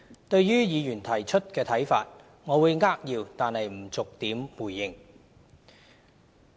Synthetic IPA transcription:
t̪ɵ˧ɥjyː˥jiː˨˧jyː˨˩nt̪ʰɐ˨˩jt͡ʃʰɵ˥t̚kɛː˧t̪ʰɐ˨˥jfa̰ː˧t̚ | ŋɔː˨˧wuː˨˧jŋaː˥k̚jiː˧wt̪aː˨nhɐ˨jm̩˨˩t͡sʊ˨k̚t̪iː˨˥mwuː˨˩jːɪ˨˩ŋ

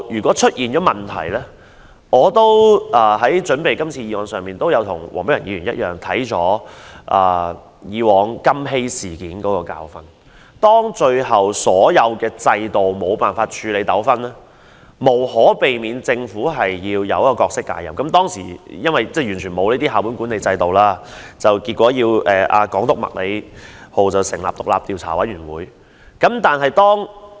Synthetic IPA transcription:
jyː˨˩kʷɔː˨˥t͡ʃʰɵ˥t̚jiː˨nt͡ʃɔː˨˥mɐ˨nt̪ʰɐ̰˨˩jlɛː˥ | ŋɔː˨˧t̪o˥wʔɐː˨˩ɦɐ˨˥jt͡ʃɵ˨˥npe˨jkɐ˥mt͡sʰiː˧jiː˧wɔː˨˧ŋsœː˨ŋmiː˨nt̪o˥wjɐ˨˧wt̪ʰʊ˨˩ŋwɔ̰ː˨˩ŋpe˨˥jɐ˨˩niː˨˧ɥyː˨˩njɐ˥t̚jœ̰ː˨ŋt̪ʰɐ˨˥jt͡ʃɔ̰ː˨˥ʔɐː˨˩ | jiː˨˧wɔː˨˧ŋkɐ˥mɦe˥jsiː˨˩kiː˨˥nkɔː˨˧˥kɔː˧ka̰ː˧wfɐ̰˧n | t̪ɔː˥ŋt͡ʃɵ˧ɥɦɐ˨˩wsɔː˨˥jɐ˨˧wkɛː˧t͡sɐ˧jt̪o˨wmo˨˧wpaː˨˩nfaː˧t̚t͡ʃʰyː˨˧le˨˧jt̪ɐ˨˥wfɐ˥nlɛː˥ | mo˨˩whɔː˨˥pe˨jmiː˨˧nt͡sɪ˧ŋfuː˨˥ɦɐ˨jːiː˧wjɐ˨˧wkɔː˧kɔː˧k̚sɪ˥k̚ːa̰ː˧˩jɐ̰˨mkɐ˨˦mt̪ɔː˥ŋsḭː˨˩jɐ˥nwɐ˨jt͡sɛː˥˩jyː˨˩nt͡ʃʰyː˨˩mo˨˧wniː˥t̪iː˥ɦaː˨wpu˨˥nku˨˥ne˨jt͡sɐ˧jt̪o˨wlaː˥ | t͡sɐ˨wki˧t̚kʷɔː˨˥jiː˧wʔɛː˨ʔaː˧kɔː˨˥ŋt̪ʊ˨k̚mɐ̰˨k̚le˨˧jho˨˩wt͡sɐ˨˩wsɪ˨˩ŋla̰ː˨p̚t̪ʊ˨k̚laː˨p̚t̪i˨wt͡sʰa̰ː˨˩wɐ˨˥jɥyː˨˩nwuː˨˥j | kɐ˨˥mt̪aː˨nɦɐ˨jt̪ɔː˥ŋ

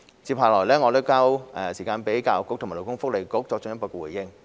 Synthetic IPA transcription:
t͡siː˧phaː˨˩lɔː˨˩jlɛː˥ŋɔː˨˧t̪o˥wkaː˥wʔɛ˧si˨˩kaː˧npe˨˥jkaː˧wkʊ˧˥k̪̚ʰma˨˩lo˨˩kʊ˥ŋfʊ˥k̚le˨jkʊ˨˥k̚t͡sɔ˧k̚ʊ˧ŋjkɔː˧kɛ˧wuː˨˩jjɪ˧ŋ

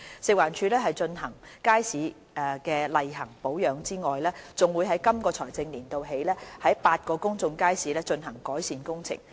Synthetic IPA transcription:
sɪ˨k̚waː˨˩nt͡ʃʰyː˨˧lɛː˥ɦɐ˨jt͡ʃɵ˧nɦɐ˨˩ŋkaː˥jsiː˨˥ | ɛ˧kɛː˧lɐ˨jɦɐ˨˩ŋpo˨˥wjœː˨˥ŋt͡siː˥ŋɔː˨jlɛː˥t͡sʊ˨ŋwuː˨˧jɦɐ˨˥jkɐ˥mkɔː˧t͡sʰɔː˨˩jt͡sɪ˧ŋliː˨˩nt̪o˨wɦe˨˥jlɛː˥hɐ˨˥jpaː˧t̚kɔː˧kʊ˥ŋt͡sʊ˧ŋkaː˥jsiː˨˥lɛː˥t͡ʃɵ˧nɦɐ˨˩ŋkɔː˨˥jsiː˨˧nkʊ˥ŋt͡sʰɪ̰˨˩ŋ

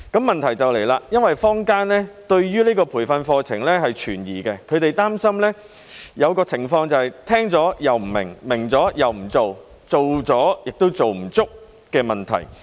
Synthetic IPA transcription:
kɐ˨˥mːɐ˨nt̪ʰɐ˨˩jt͡sɐ˨wle˨˩jlaː˧jɐ˥nwɐ˨jfɔː˥ŋkaː˥nlɛ˥t̪ɵ˧ɥjyː˥liː˥kɔː˧pʰuː˨˩fɐ˧nfɔː˧t͡sʰɪ˨˩ŋlɛː˥ɦɐ˨jt͡ʃʰyː˨˩njiː˨kɛː˧kʰɵ˨˧ɥt̪e˨jt̪aː˥msɐ˥mlɛː˥ | jɐ˨˧wkɔː˧t͡sʰɪ˨˩ŋfɔː˧ŋt͡sɐ˨whɐ˨jt̪ʰɛː˥ŋt͡sɔː˨˥jɐ˨wm̩˨˩mɪ̰˨˩ŋmɪ˨˩ŋt͡sɔː˨˥jɐ˨wm̩˨˩t͡so˨w | t͡so˨wt͡sɔː˨˥jɪ˨k̚t̪o˥wt͡so˨wm̩˨˩t͡sʊ˥k̚ | kɛː˧mɐ˨nt̪ʰɐ̰˨˩j

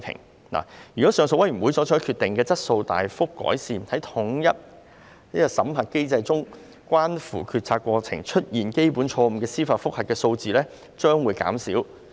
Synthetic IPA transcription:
jpʰɪ̰˨˩ŋ | na̰ː˨˩jy˨kɔ˨˥sœː˨˧ŋso˧wɐ˥jɥy˨˩wu˨˥jsɔː˨˥t͡ʃʰɔː˨˥jkʰyː˧t̪ɪ˨ŋkɛː˧t͡sɐ˥t̚so˧wt̪a̰ː˨jfʊ˥kːɔ̰ː˨˥jsiː˨mhɐ˨˥jt̪ʰʊ˨˥ŋjɐ˥t̚ | i˥ɐ˨sɐ˨˥mɦɐ˨t̚ke˥jt͡sɐ˧jt͡sʊ˥ŋ | kʷaː˥nfṵː˨˩kʰyː˧t̚t͡sʰaː˧tkːwɔː˧t͡sʰɪ̰˨˩ŋt͡ʃʰɵ˥t̚jiː˨˩nke˥jpuː˨˥nt͡ʃʰɔː˧m̩˧kɛː˧siː˥faː˧tfʊ˥k̚hɐ˨t̚kɛː˧so˧wt͡siː˨lɛː˥ | t͡ʃœː˥ŋwuː˨˧˥jka̰ː˨˥msḭ˨˥w

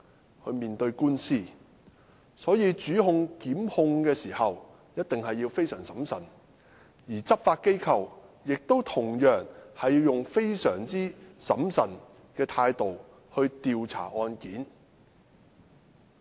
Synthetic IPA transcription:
hʰɵ˧ɥmiː˨nt̪ɵ˧ɥkuː˥nsiː˥˩ | sɔː˨˥jiː˨˧t͡ʃyː˨˥hʊ˧ŋkiː˨˥mhʊ˧ŋkɛː˧siː˨˩hɐ˨w | jɐ˥t̚t̪ɪ˨ŋhɐ˨jːiː˧wfe˥jsœː˨˩ŋsɐ˨˥msɐ̰˨˩n | jiː˨˩t͡sɐ˥p̚faː˧t̚ke˥jkʰɐ˨wjɪ˨k̚t̪o˥wt̪ʰʊ˨˩ŋjœː˨˩ŋhɐ˨jiː˧wjʊ˨ŋfe˥jsœː˨˩ŋt͡siː˥sɐ˨˥msɐ˨˩n | kɛː˧t̪ʰaː˧jt̪o˨w | hɵ˧ɥt̪iː˨wt͡sʰa̰ː˨˩ʔɔː˧nkiː˨˥n

